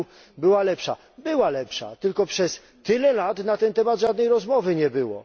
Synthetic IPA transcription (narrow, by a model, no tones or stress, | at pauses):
bɘwalɛpʂa̰ | bɘwalɛpʂa̰t̪ɘlkɔpʂɛsːɘlɛlat̪nat̪ɛnt̪ɛmad̪ʐad̪nɛjɾɔzmɔvɘɲɛbɘwɔ̰